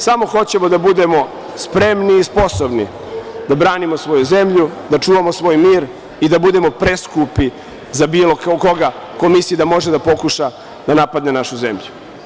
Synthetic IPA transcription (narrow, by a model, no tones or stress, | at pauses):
samo̞xo̞t͡ɕe̞mo̞d̪abud̪e̞mo̞ | spɾe̞mniːspo̞sobnḭ | d̪abɾaːnimosʋo̞juze̞mʎud̪at͡ʂuːʋamo̞sʋo̞ːjmiːɾ | id̪abud̪e̞mo̞pɾe̞skupi | zabiːlo̞kako̞ɡa | komisijid̪amo̞ʒed̪apo̞kuʃa | d̪anapad̪ne̞naʃuze̞̰mʎu